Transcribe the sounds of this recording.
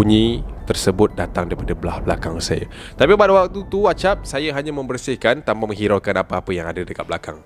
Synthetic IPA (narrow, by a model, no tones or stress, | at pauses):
uɲĩt̪ərsəbʊt̪̚dat̪aŋdaɾipadablahblakaŋsa̰ja̰ | t̪apipadawak̚t̪ut̪uat͡ʃap̚sajaɦaɲãmə̃mbərsɪhkant̪ampamə̃ŋɦiɾakanapaapəjaŋadadəkat̪̚blakaŋ